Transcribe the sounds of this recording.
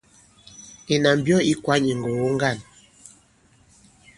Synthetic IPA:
e˨na˨m˨bjɔ˦i˦kwa˨˦ɲi˨ŋ˨ɡo˨wo˦ŋ˦ɡa˦˨n

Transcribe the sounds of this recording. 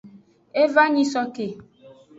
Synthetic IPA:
e˦va˦ɲĩ˦sɔ˦ke˨

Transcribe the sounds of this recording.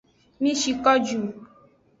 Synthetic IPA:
mĩ˦ʃi˧kɔ˦d͡ʒu˨

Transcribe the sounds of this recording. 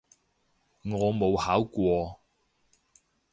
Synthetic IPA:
ŋɔː˨˧mo˨˧whaː˨˥wkʷɔː˧

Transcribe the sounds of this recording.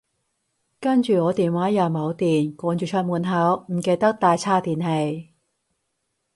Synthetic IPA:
kɐ˥nt͡ʃyː˨ŋɔː˨˧t̪iː˨nwaː˨˥jɐ˨˩wmɐ˨˧wt̪iː˨nkʷɔː˨˧˥nt͡ʃyː˨t͡ʃʰœ˧t̚muː˨˩nɦɐ˨˥wm̩˨˩ke˧jt̪ɐ˥k̚t̪aː˨jt͡sʰaː˥t̪iː˨nhe˨˧j

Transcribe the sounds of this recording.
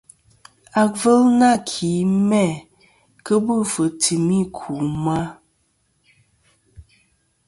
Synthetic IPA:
a˨k̚və˦lna˦˨kʰi˨˦mɛ˦˨ | kə˦bə˦˨fə˨tʰi˨mi˦kʰu˨ma˦

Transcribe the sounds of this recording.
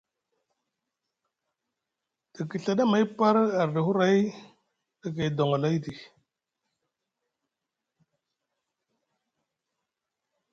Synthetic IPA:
d̥a˨ki˨ɬa˨ɗa˦ma˨˦jpa˦ɾa˨ɾdi˨hu˦ɾa˦j | da˨ka˨i˨do˨ŋa˨la˦i˦di˨

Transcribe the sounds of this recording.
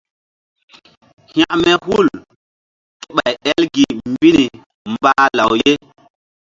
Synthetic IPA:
hj̃ã˦ʔmɛ˦hu˦˨l | ki˦ɓa˨jɛ˦lɡi˨mbi˦ni˨ | mbaː˦la˨wje˦

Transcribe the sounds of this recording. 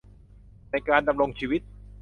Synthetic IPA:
na˧jkaː˧nda˧mɾo˧ŋt͡ɕʰiː˧wi˦˥t̪̚

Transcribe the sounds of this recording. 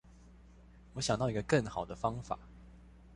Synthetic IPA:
wɔ˨˦ɕjɑ˨˩ŋt̪ɑ˥˩i˧˥ɡə˧kə˥˩nxɑ˨˩ʊd̪ə˦fɑ˥ŋfa̰˨˩˦

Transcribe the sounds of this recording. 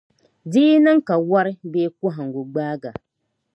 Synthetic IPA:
diː˦na˦ŋ̩˦ka˨wa˦ɾɪ˦beː˦kʊ˦ɦa˨ŋ̩˨ɡu˨ɡ͡baː˦ɡa˨

